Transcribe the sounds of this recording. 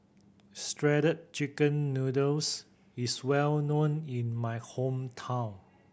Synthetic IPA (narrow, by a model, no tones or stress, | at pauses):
stɹɛɾət̚t͡ʃikə̃nːudəs | iswɛlnõnĩnmajhõmtʰãʊ̃n